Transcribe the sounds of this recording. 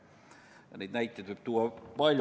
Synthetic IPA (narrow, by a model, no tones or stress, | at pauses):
jɑ̰niːt̪næit̪ːeˑt̪hoip̚t̪uɑpɑlʲj